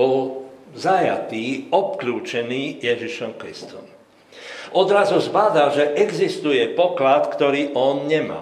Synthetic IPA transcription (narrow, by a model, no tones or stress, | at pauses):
ɔlzaja̰t̪iːɔp̚kluːt͡ʃɛniːjɛʒiʃɔmkɾist̪ɔm | ʔɔd̪ɾazuzbaːd̪alʒɛʔɛɡzist̪ujɛpɔklat̪kt̪ɔɾiːʔɔnɲɛma̰